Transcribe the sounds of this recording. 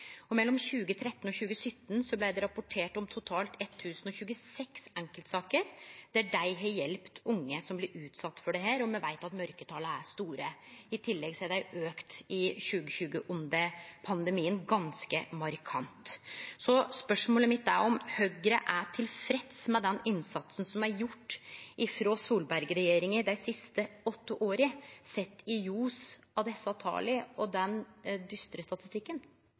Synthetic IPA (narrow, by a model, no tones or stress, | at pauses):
ɔmɛlːɔmçʉːɡət̪ʰɾɛt̪ːən̩ɔçʉːɡəsœt̪ːnsɔblæɪd̪ɛɾɑpʊʈʰeːʈɔmt̪ʰʊt̪ʰɑːlt̪ɛt̪ʰːʉːsənɔçʉːɡəsɛksɛŋkəlt̪sɑːkəɾd̪̥æɖæɪɦejɛlpt̪ʊŋːəsɔmblɪɾʉːt̪sɑt̪ːfɔɖɛɦæːɾɔmɛʋæ̰ɪt̪ɑt̪mœɾkət̪ʰɑːləæʂt̪uːɾəɪt̪ʰɪlːɛɡsɛd̪æɪøːkt̪ɪɕʉːɡəçʉːɡəʔʊnd̪əpʰɑnd̪əmiːənɡɑnskə̰mɑɾkʰɑ̰nt̪sɔspœʂmoːləmɪt̪ːæɾɔmhœɡɾəʔæʈʰɪlfɾɛt̪smɛd̪ɛnɪnsɑt̪sən̩sɔmæɾjʊʈːɪfɾoːsuːlbæɾɡəɾɛjeːɾɪŋəd̪æɪsɪst̪əɔt̪ːəʔoːɾəsɛt̪ːɪjuːs | ɑʋd̪ɛsːəɑt̪ʰɑ̰ːlɪɔd̪ɛnd̪ʏst̪ɾəst̪ɑt̪ɪ̥st̪ɪkːən